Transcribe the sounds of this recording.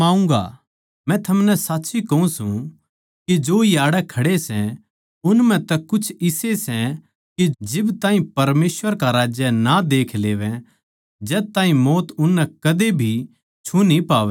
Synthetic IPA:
ãːũŋɡa̰ | mɛ̃t̪ʰɐmnɛsaːtːʃʰikɐũsũ | kid͡ʒoːjaːɽɛkʰɐɽesɛ̃ | ʊnmɛ̃t̪ɛkʊt͡ʃʰɪsesɛ̃ | kid͡ʒɪbt̪ãːɦĩpɐɾmeːsʋəɾkaɾaːd͡ʒjənad̪eːkʰleːʋɛ̃ | d͡ʒɛːt̪ãːɦĩmɔːt̪ʊnːɛkɐd̪ebʱi | t͡ʃʰunipaːʋɛ

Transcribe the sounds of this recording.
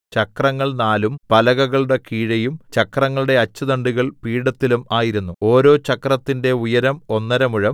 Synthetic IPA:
t͡ɕt͡ɕɐkrɐŋːɐɭnaːlumpɐlɐɣɐɣɐɭuɽe̞kiːɻɐjumt͡ɕɐkrɐŋːɐɭuɽe̞ɐt͡ɕːɐd̪ɐɳɖuɣɐɭpiːɽɐt̪ːilumaːjiɾunːuo̞ːɾo̞ːt͡ɕɐkrɐt̪ːinde̞ujɐɾɐmo̞nːɐɾɐmuɻɐm

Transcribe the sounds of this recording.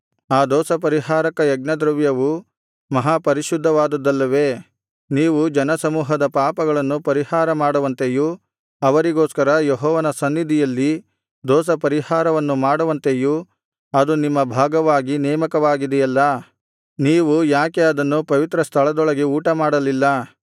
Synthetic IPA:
aːd̪ɔːsɐp̬ɐɾiɦaːɾɐkɐjɐɡ̚nɐd̪ɾɐʋjɐʋu | mɐɦaːpɐɾiʃud̪ʱːɐʋaːd̪ud̪ːɐlːɐʋeː | niːʋud͡ʒɐnɐsɐmuːɦɐd̪ɐpaːpɐɡɐɭɐnːupɐɾihaːɾɐmaːɽuʋɐnt̪eju | ɐʋɐɾiɡoːskɐɾɐjeɦɔːʋɐnɐsɐnːid̪ʱijɐlːi | d̪ɔːs̬ɐpɐɾihaːɾɐʋɐnːumaːɽuʋɐnt̪eju | ɐd̪unimːɐbʱaːɡɐʋaːɡinɛːmɐkɐʋaːɡid̪ɛjɐlːɐ | niːʋujaːkeɐd̪ɐnːupɐʋit̪ɾɐst̪ʰɐɭɐd̪ɔɭɐɡeuːʈɐmaːɽɐlilːɐ

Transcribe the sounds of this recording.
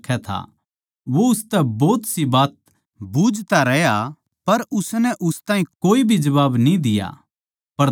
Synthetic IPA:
kʰɛt̪ʰa̰ | ʋoʊst̪ɛbɔːt̪sibaːt̪̚ | buːd͡ʒt̪aɾɛja | pɐɾʊsnɛʔʊst̪ãːɦĩkoːibʱid͡ʒɐβaːbnĩd̪ɪja̰ | pɐɾ

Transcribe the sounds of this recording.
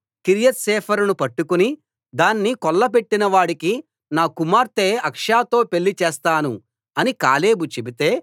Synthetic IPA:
kiɾijɐt̪sɛːpʰɐɾunupɐʈːukuni | d̪aːnːikɔlːɐp̬e̞ʈːinɐʋaːɽiki | naːkumaːɾt̪eːɐkʂaːt̪o̞ːpeɭːit͡ʃeːst̪aːnu | ɐnika̰ːle̞ːbut͡ʃebit̪e̞ː

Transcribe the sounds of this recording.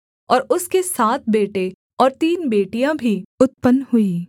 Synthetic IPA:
ɔːɾʊskesaːt̪̚ʰbeːʈe | ɔːɾt̪iːnbeːʈijãbʱiʊt̪̚pənhʊiː

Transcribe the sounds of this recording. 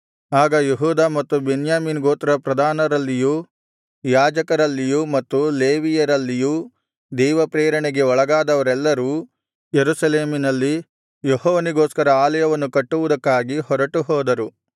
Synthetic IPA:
aːɡɐjeɦuːd̪aːmɐt̪ːubenjaːmiːnɡoːt̪ɾɐpɾɐd̪ʱaːnɐɾɐlːijuː | jaːd͡ʒɐkɐɾɐlːijumɐt̪ːuleːʋijɐɾɐlːijuː | d̪ɛːʋɐpɾeːɾɐɳeɡeɔɭɐɡaːd̪ɐʋɐɾɛlːɐɾuː | jeɾusɐleːminɐlːi | jɔhɔːʋɐniɡoːskɐɾɐaːlɐjɐʋɐnːukɐʈːuʋud̪ɐkːaːɡihɔɾɐʈuɦɔːd̪ɐɾu

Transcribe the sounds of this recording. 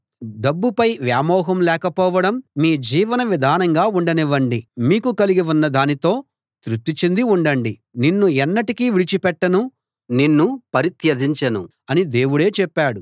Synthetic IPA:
ɖɐbːupɐjʋjaːmɔːɦɐmlɛːkɐpɔːʋɐɽɐmːiːd͡ʒiːʋɐnɐʋid̪ʱaːnɐŋɡaːuɳɖɐniʋɐɳɖimiːkukɐliɡiʋunːɐd̪aːnit̪o̞ː | t̪ɾut̪ːit͡ʃend̪iuɳɖɐɳɖi | ninːuɛnːɐʈikiːʋiɽit͡ʃipɛʈːɐnu | ninːupɐɾit̪jɐd̪ʱiɲt͡ʃɐnṵ | ɐnid̪e̞ːʋuɽe̞ːt͡ʃɛpːaːɽu

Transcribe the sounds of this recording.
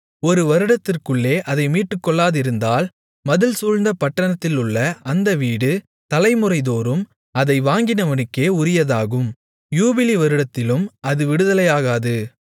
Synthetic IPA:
ɔɾɯʋɐɾɯɽɐt̪ːɪrkɯɭːeːʔɐðɐɪmiːʈːɯkːɔɭːaːðɪɾɯnd̪aːl | mɐðɯlsuːɻnd̪ɐpɐʈːɐɳɐt̪ːɪlʊɭːɐɐnd̪ɐʋiːɽɯ | t̪ɐlɐɪmɯɾɐɪðoːɾɯm | ɐðɐɪʋaːŋɡɪnɐʋɐnɯkːeːʊɾɪjɐðaːɣɯm | juːbɪliʋɐɾɯɽɐt̪ːɪlɯmɐðɯʋɪɽɯðɐlɐjaːɣaːðɯ

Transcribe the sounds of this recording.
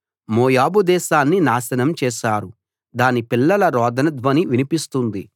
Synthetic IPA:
moːjaːbud̪ɛːʃaːnːinaːʃɐnɐmt͡ʃɛːʃaːɾu | d̪aːnipilːɐlɐɾɔːd̪ʱɐnɐd̪ʋɐniʋinipist̪und̪i

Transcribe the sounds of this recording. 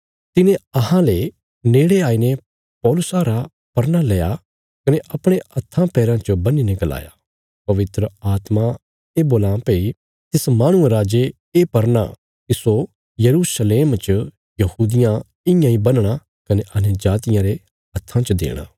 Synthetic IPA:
t̪ɪnẽɐɦãle | neːɽeaːine | pɔːlʊsaɾa | pɐɾnalɛːja | kɐneʔɐpɽ̃ẽɐt̪ʰːãpɛːɾãt͡ʃəbɐnineɡɐla̰ːja̰ː | pɐʋɪt̪ɾəaːt̪ma | eboːlãːpeːi | t̪ɪsmaːɽ̃ʊ̃ẽɾaːd͡ʒe | eːpɐɾña̰ | kiso | jɐɾuːsəleːmt͡ʃ | jɐhuːd̪ɪjã | ɪ̃jãibɐnɽ̃a | kɐneʔɐned͡ʒaːt̪ɪjãɾe | ɐt̪ʰːãt͡ʃɐd̪ḛːɽ̃a̰ː

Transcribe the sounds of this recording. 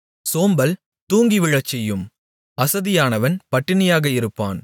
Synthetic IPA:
soːmbɐl | t̪uːŋɡiʋɪɻɐt͡ʃːɛjːɯm | ɐsɐðɪjaːnɐʋɐnpɐʈːɪnɪjaːɣɐɪɾɯpːa̰ːn

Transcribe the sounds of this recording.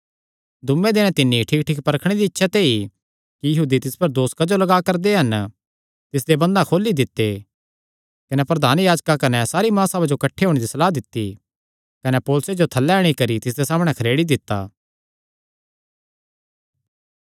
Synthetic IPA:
d̪ʊmːẽd̪eːnɛ̃t̪ɪnːĩʈʰiːk̚ʈʰiːk̚pɐɾkʰɽ̃ed̪iːtːʃʰat̪ei | kijɐɦuːd̪it̪ɪspɐɾd̪oːskad͡ʒolɐɡakɐɾd̪eɦɐn | t̪ɪs̬d̪ebɐ̃nd̪ãkʰoːlːid̪ɪt̪ːe | kɐnɛpɾɐd̪ʱaːnjaːd͡ʒkakɐnɛsaːɾimãːsabad͡ʒokɐʈʰːeɦoːɽ̃ed̪isɐlaːd̪ɪt̪ːi | kɐnɛpoːlʊsed͡ʒot̪ʰɐlːɛɽ̃ikɐɾit̪ɪs̬d̪esaːmɽ̃ɛkʰɐɾeːɽid̪ɪt̪ːa̰ː

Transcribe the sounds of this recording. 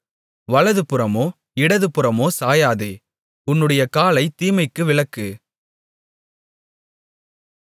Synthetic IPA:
ʋɐɭɐðɯpɯɾɐmoː | ɪɽɐðɯpɯɾɐmoːsaːjaːðḛː | ʊnːɯɽɐjɐkaːlɐɪt̪iːmɐɪkːɯʋɪɭɐkːɯ

